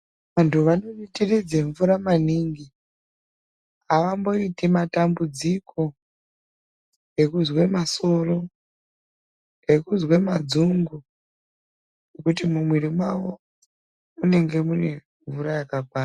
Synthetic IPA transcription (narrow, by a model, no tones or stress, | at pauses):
ʋantʰuʋano̞nitirid͡zeɱvuɾamaniːŋɡi | aʋambo̞itimatambud͡zikʰo̞ | e̞kuzwe̞maso̞ro̞ | e̞kuzwemad͡zuŋɡu | nekutimumwiɾimwawo̞ | une̞ŋɡe̞mune̞ | ɱvuɾajakak̚waːra